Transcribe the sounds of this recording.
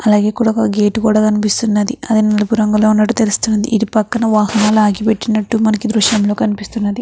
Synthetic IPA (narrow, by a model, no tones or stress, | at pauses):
ɐlaːɡe̞ːkuːɽakɡe̞ːʈukuːɽaːkɐnipist̪unːɐd̪iɐd̪inɐlɐpuɾɐŋɡɐlo̞ːunːɐʈːu̥t̪elust̪unːund̪ḭʔid̪ipɐkːɐnɐʋaːhɐnaːluaːɡipe̞ʈːinɐʈːumɐnɐkid̪ɾuʃjɐmlo̞ːkɐnipist̪unːɐd̪i